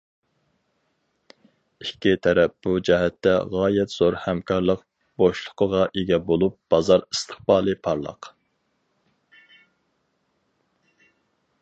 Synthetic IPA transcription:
ikʲːit̪ʰɛɾɛp̚b̥ud͡ʒɛɦɛt̪ːɛ̰ʁɑːjɛt̪z̥oɾhɛmkʰɑɾlˠəq | b̥oʃlˠʊqʰəʁɑʔeɡʲɛbolˠup̚b̥ɑzɑɾist̪ʰə̥χbɑːlˠɨpʰɑɾlˠə̰q

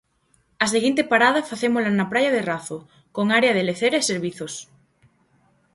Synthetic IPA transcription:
ɐseɣint̪epaɾað̞afaθemolanapɾajaðeraθo | koŋaɾeaðeleθeɾaeseɾβiθos

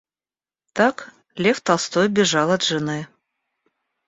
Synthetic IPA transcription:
t̪ɑk | lʲeft̪ɑlˠst̪ojbʲɪʐɑlˠat̪ʐɨnɨ

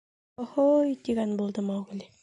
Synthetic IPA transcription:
ohojt̪iɡænbulˠd̪ɤmɑwʁlʲi

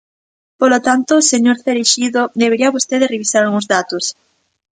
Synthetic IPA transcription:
polot̪ant̪oseɲoɾθeɾeʃiðod̪eβeɾiaβost̪eðereβisaɾalɣuŋzðat̪os

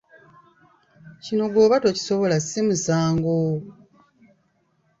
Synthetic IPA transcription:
cino̞ɡo̞ːβato̞ci̥so̞βo̞lasimuzaːŋɡo

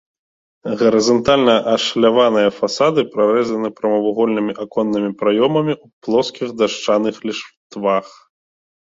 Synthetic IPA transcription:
ɣɐɾɨzant̪alʲnɐʔɐʂlʲavan̪ɨjɐfasad̪ɨpɾaɾɛzɐnɨpɾɐmɐvuɣɔlʲnɨmʲiʔakɔnːɨmʲipɾajɔmɐmʲiuplˠɔskʲiɣd̪aʂt͡ʂanɨxlʲiʂt̪vax

